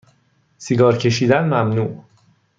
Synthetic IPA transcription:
siɡɒːɾcʰe̞ʃiːd̪ænmæmnuːʔ

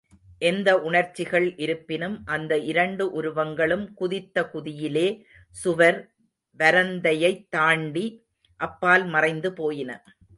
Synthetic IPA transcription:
ʔɛnd̪ɐʔʊɳɐɾt͡ʃːɪɣɐɭʔɪɾɯpːɪnɯmʔɐnd̪ɐʔɪɾɐɳɖɯʔʊɾʊʋɐŋɡɐɭɯmkʊðɪt̪ːɐkʊðɪjɪleː | sʊʋɐɾ | ʋɐɾɐnd̪ɐjɐɪt̪ːaːɳɖi | ʔɐpːaːlmɐrɐɪnd̪ɯpoːjɪnɐ̰

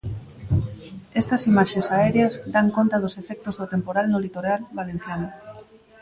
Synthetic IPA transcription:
est̪asimaʃesaeɾeazd̪aŋkont̪að̞osefek̚t̪ozðot̪empoɾalnolit̪oɾalβalen̟θjano

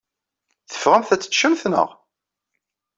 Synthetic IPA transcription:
θə̥fʁæmθæt͡sːə̥ʃəmθnə̰ʁ

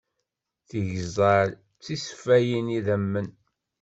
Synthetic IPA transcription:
θiʝzˤɑɾ | t͡sːisfæjiniðæmːən

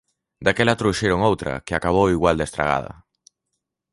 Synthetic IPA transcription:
d̪akɛlat̪ɾuʃeɾoŋowt̪ɾɐ̰keakaβ̞owiɣwald̪est̪ɾa̰ɣ̞a̰ð̞ɐ̰

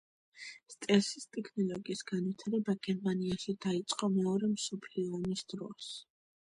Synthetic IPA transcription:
st̪ʼɛsist̪ʼɛkʰnɔlˠɔɡiːsɡanwit̪ʰaɾɛbaɡ̥ɛɾmaniaʃid̪ait̪sʼqʼɔmɛɔɾɛmsɔpʰliɔːmisd̪̥ɾɔs

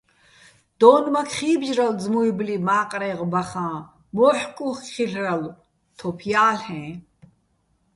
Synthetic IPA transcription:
d̪̥ɔːnmakʰχiːbʒɾald͡zmuiblimaːqʼɾɛʁbaχãː | mɔːħkʼuχkχiɬral | t̪ʰɔpʰjaːlɛ̃

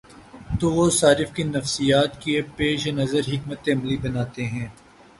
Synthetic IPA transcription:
t̪oʋosaːɾɪfkinɐfsijaːt̪kiepeːʃnɐzəɾɦɪkmət̪eɐmlibɐnaːt̪eɦɛ̃ː

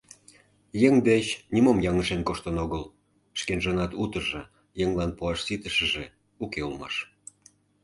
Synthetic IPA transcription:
jeŋd̪eɕnimomjɑŋəʃenkoʃt̪ənoɣəl | ʃkenʒənɑt̪ut̪əʒɤ̆ | jeŋlɑnpuɑʃsit̪əʃə̆ʒe | ukeulmɑ̰ʃ

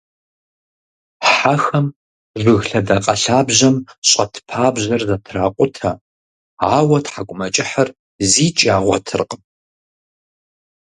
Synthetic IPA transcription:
ħaxɐm | ʐʷɨɣɬɐdaqʼɐɬaːbʑɐmɕʼɐtʰpʰaːbʑɐrzɐtʰraːqʷʼʊtʰɐ | aːwɐtħakʷʼʊmɐt͡ʃʼɪħɐr | ziːt͡ʃʼaːʁʷɔtʰɨrqʼ

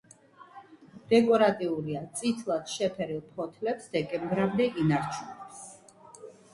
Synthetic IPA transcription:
d̪̥ɛkʼɔɾat̪ʼiuɾiat̪sʼit̪ʰlˠad̪̥ʃɛpʰɛɾilˠpʰɔt̪ʰlɛpsd̪ɛkʼɛmbɾamd̪ɛinaɾt͡ʃʰunɛps

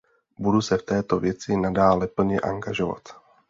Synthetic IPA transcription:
budusɛft̪ɛːt̪o̞vjɛt͡sɪnadaːlɛpl̩ɲɛʔa̰ŋɡaʒo̞va̰t̪

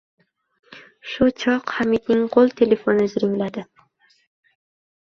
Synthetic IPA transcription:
ʃʊt͡ʃʰɒqhamid̪̚nɪŋqʰolˠt̪ʰe̞le̞fonɪzɾɪŋlad̪ɪ

